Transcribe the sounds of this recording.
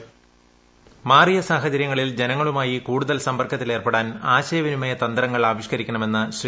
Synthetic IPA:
maːrijɐsaːɦɐt͡ɕɐɾjɐŋːɐɭild͡ʑe̞nɐŋːɐɭumaːjikuːɽuðɐlsɐmbɐrkːɐt̪ːile̞ːrpeɽaːnaːɕeːʋɐnumɐjɐt̪ɐnd̪ɾɐŋːɐɭaːʋiɕkɐɾikʲːɐɳɐme̞nːɨɕri

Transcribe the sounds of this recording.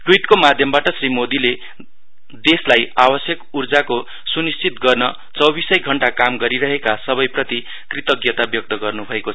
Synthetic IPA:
ʈwiʈkomad̪ʱjʌmbaʈʌsrimod̪ile | d̪eslajabʌsjʌkurd͡zako | sunist͡sit̪̚ɡʌrnʌ | t͡sʌwbisʌjɡʱʌɳʈakamɡʌɾiɾʌɦekasʌbʌjprʌt̪i | krit̪ʌɡjʌt̪abjok̚t̪ʌɡʌrnubʱʌekoʌ

